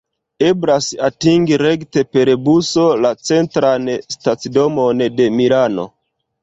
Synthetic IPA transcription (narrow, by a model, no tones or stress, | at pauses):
e̞blasatiŋɡiɾe̞kte̞pe̞ɾbuso̞lat͡se̞ntɾanstat͡sido̞mo̞nde̞milano̞̰